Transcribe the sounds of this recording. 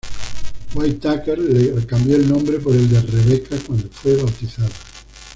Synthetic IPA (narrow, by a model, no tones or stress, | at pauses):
wajt̪akeɾlekambjoelnõ̞mbɾepoɾeld̪ereβekʰakwand̪ofweβawt̪iθaðo